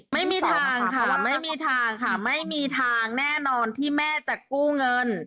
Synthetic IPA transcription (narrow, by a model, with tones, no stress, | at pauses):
ma˥˩jmiː˧t̪ʰaː˧ŋkʰa˥˧˩wa˧˩ma˥˩jmiː˧t̪ʰaː˧ŋkʰa˥˩ma˥˩jmiː˧t̪ʰaː˧ŋnɛː˥˩nɔː˧nt̪ʰiː˥˩mɛː˥˩t͡ɕa˨˩kːuː˥˩ŋɤ˧n